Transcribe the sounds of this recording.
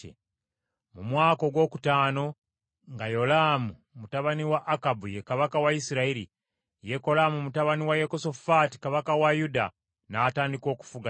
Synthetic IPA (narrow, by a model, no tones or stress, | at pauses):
ḛ | mumwaːko̞ɡwo̞ːkutaːno̞ | ŋɡajo̞laːmu | mutaβaniwaʔːkabujekaβakawaisiɾaiɾi | je̞ko̞laːmumutaβaniwajekoso̞fati̥kaβakawajuda̰ | naːtaːndiko̞ːku̥fuɡa